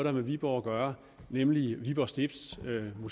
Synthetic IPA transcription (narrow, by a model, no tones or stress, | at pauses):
ðˠæmeʋib̥ɒʊɡ̥ɶɐ | nemliʋib̥ɒsd̥e̝fd̥smu